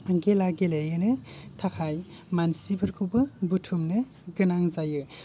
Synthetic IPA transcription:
ɡelaɡelejɯnɯtʰakʰaj | mansipʰɯɾkʰubɯbutʰumnɯ | ɡɯnaŋzajɯ

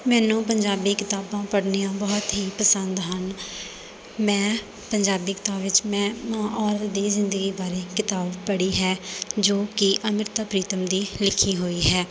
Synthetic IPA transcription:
mɛ̃ːnũːpəɲd͡ʒaːbiːkɪt̪aːbãːpəɽniːãːbɔːt̪ɦiːpəsənd̪ɦən | mɛ̃ː | pəɲd͡ʒaːbiːkɪ̥t̪aːbʋɪt͡ʃmɛ̃ːmãːʔɔːɾət̪d̪iːzɪ̃nd̪əɡiːbaːɾeːkɪt̪aːbpəɽiːɦɛːd͡ʒoːkɪʔəmɪɾt̪apɾiːt̪əmd̪iːlɪkʰːĩːɦoːiːɦɛː

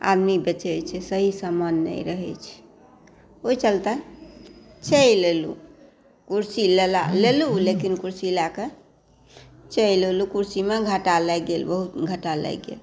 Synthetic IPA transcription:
a̰d̪mibət͡ʃəjt͡ʃʰɛsəɦisəmənːɛ̰jɾəɦɛ̰t͡ʃʰɛ̥ | ot͡ʃəlt̪ə | t͡ʃəjlelṵ | kuɾsilelalelulekinkuɾsilake | t͡ʃəilelukuɾsimeɡʱəʈalɛɡelbəɦut̪ɡʱəʈalɛ̰ɡḛl

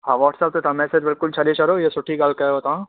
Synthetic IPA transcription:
ɦãːʋɔːʈsɐb̚t̪ot̪ɐ̃mɛsed͡ʒbɪlkʊlt͡ʃʰad̪et͡ʃɐɾojesʊʈʰiɡaːlkɐɦoːt̪ã

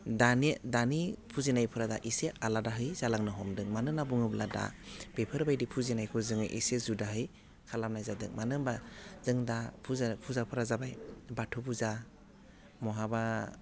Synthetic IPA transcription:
danedanipʰuzinajpʰɯɾada̰ʔisealadaɦɯjzalaŋnɯɦɔmdɯŋmanɯnabuŋɯblada̰b̥epʰɯɾbajdipʰuzinajkʰɔzɯŋɯʔḭsezudaɦɯj | kʰalamnajzadɯŋmanɯŋbazɯŋdapʰuzpʰuzapʰɯɾazabajbatʰubuza | mɔɦaba

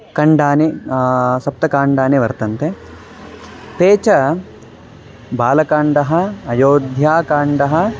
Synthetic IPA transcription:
kɐɳɖaːne | sɐp̚t̪ɐkaːɳɖaːneʋɐɾt̪ɐnt̪e | t̪eːt͡ʃɐ | baːlɐkaːɳɖɐɦɐɐjoːd̪ʱjaːkaːɳɖɐɦɐ

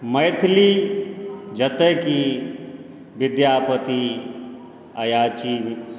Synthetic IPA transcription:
mɐjt̪ʰli | d͡ʒɐt̪əki | ʋɪd̪jaːpət̪i | ɐjaːt͡ʃi

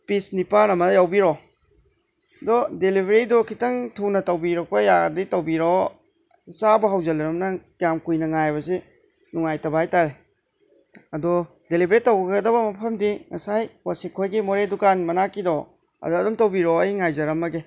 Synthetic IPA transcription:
pisnipanɐmɐdjawbiɾɔ | dɔdelibʱeɾidɔkʰitɐŋtʰunɐtɐwbiɾɐk̚pɐjaditɐwbiɾɔ | sabɐɦawzɐlɐɾɐmnɐ | jamkujnɐŋajbɐse | nuŋajtɐbahajtaɾe | ɐdɔ | delibʱɾitɐwɡɐɡɐdɐbɐmɐpʰɐmdiŋɐsajwasikʰojɡimoɾedukanmɐnakidɔ | ɐ̰dɔɐdumtɐwbiɾɔɐjŋajzɐɾɐmɐɡe

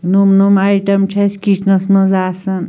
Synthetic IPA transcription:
numnumajʈɐmt͡ʃʰɐskiʈʰnɐsmɐzaːsɐn

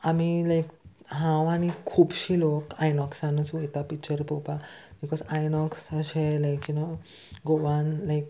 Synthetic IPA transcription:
amilajk | ɦãwañikʰuːpɕilokajnɔksãnət͡sʋet̪apikt͡ɕəɾpopabikɔsajnɔksəɕelajkjuno | ɡoʋãnlajk̚

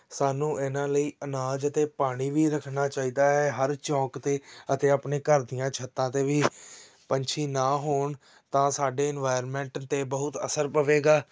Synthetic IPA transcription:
saːnũːʔɪnãːləiːʔənaːd͡ʒət̪eːpaːɽ̃iːʋiːɾəkʰnaːt͡ʃaːiːd̪aːɦɛːɦəɾt͡ʃɔ̃ːkt̪eːət̪eːaːpɳeːkəɾd̪ɪjãːt͡ʃʰət̪ːãːt̪eːʋiː | pənt͡ʃʰiːnaːɦoːɳ | t̪ãːsaːɖeːɪnʋaːjəɾmɛ̃ːɳʈt̪eːbəɦʊt̪ə̰səɾpəʋeːɡaː

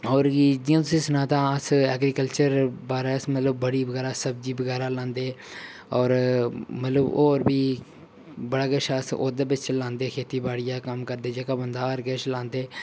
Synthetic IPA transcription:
ɔːɾid͡ʒɪ̃sisnãːt̪ãːəsɛːɡɾiːkəlt͡ʃəɾbaːɾeːsmət̪ləb̚ːəɽiːbəɡɛːɾaːsəbd͡ʒiːbəɣɛːɾaːlãːnd̪eː | ɔːɾmət̪ləboːɾbʱiː | bəɽaːɡəʃaːso̰ːd̪ebɪt͡ʃt͡ʃlãːnd̪eːkʰeːt̪iːbaːɽɪjaːkəmkəɾd̪eːd͡ʒeːkaːbənd̪aːɾɡət͡ʃlãːnd̪eː

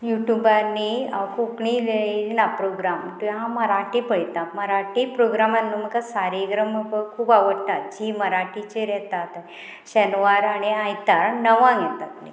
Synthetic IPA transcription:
juʈjubanːiakukɳileɭlinapɾoɡɾamt̪ujãməɾaʈipəɽt̪aməɾaʈipɾoɡɾamanːuməkasaɾiɡɾəməbəkʰuːpaʋəɽt̪at̪̚d͡ʑiməɾaʈit͡ɕeɾɛt̪at̪ | ɕənʋaɾaɽ̃iajt̪aɾnəʋãɡɛt̪at̪nḭ

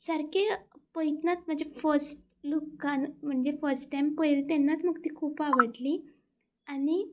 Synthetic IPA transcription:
səɾkʰepəjt̪nat͡sm̤əɳd͡zefəɾsʈ̚ | lukːanm̤əɳd͡zd͡ʑefəɾsʈʈajmpəjlt̪enːat͡sməɡt̪iːkʰuːpaʋəʈli | aɽ̃i

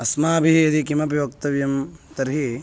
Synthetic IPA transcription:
ɐsmaːɐbʱiɦɐd̪ikimɐpjoːkt̪ɐʋjɐmt̪ɐɾɦi

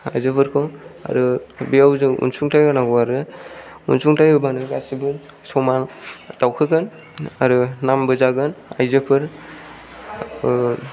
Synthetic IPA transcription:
ajzɯpʰɯɾkʰɔa̰ɾɯbijawzɯʔṵnsuŋtajanaɡɔaɾɯ | ṵnsuŋtajɯbanɯɡasibɯn | sɔmatawkʰɯɡɯn | a̰ɾɯnambɯzaɡɯnajzɯpʰɯɾ

